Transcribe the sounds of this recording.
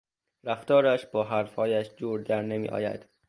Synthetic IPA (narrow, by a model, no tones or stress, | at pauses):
ɾæft̪ɒːɾæʃb̥ɒːɦæɾfhɒːjæʃd͡ʒuːɾd̪æɾnemḭʔɒ̰ːjæ̰d̪̥